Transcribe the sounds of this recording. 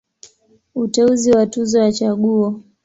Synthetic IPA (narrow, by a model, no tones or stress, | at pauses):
utɛuziwatuzɔjat͡ʃaɠuɔ